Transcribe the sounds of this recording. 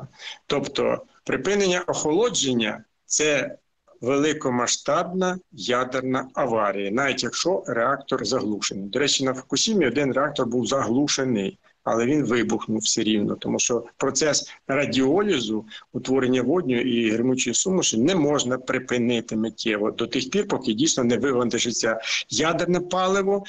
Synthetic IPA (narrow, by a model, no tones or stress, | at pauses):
t̪ɔpt̪ɔ̰ | pɾɪpɪnenʲːɐʔɔxɔlˠɔd͡ʒenʲːɐ | t̪sɛ | ʋelˠɪkɔmɐʃt̪ɑbnɐjɑd̪ernɐɐʋɑɾʲijɐnɑʋʲitʲjɐkʃɔreɑkt̪ɔrzɐɦlˠuʃenɪjd̪ɔɾɛt͡ʃːinɐfɔ̥kʊsʲimʲiɔd̪ɪnreɑk̚t̪ɔrbuwzɐɦlˠuʃenɪj | ɐ̰lˠɛʋʲinʋɪbʊxnʊwsʲeɾʲiwnɔt̪ɔmuʃt͡ʃɔpɾɔt̪sɛsrɐdʲiɔlʲizʊʊt̪ʋɔɾenʲːɐʋɔdʲnʲɔjʔiɦɾɪmut͡ʃʊjisumʊʃsʊnɛmɔʒnɐpɾɪpɪnɪt̪ɪmetʲʰɛʋɔd̪ɔt̪ɪxpʲirpɔkɪdʲijsnɔnɛʋɪʋɐnt̪ɪʒɪt͡sʲːajad̪ernɐpɑlˠɪʋɔ